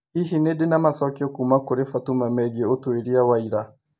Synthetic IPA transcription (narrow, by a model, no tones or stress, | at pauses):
iɦinedɪnamasɔkiokumakoɾefatumamɛɡeotweɾiawaiɾa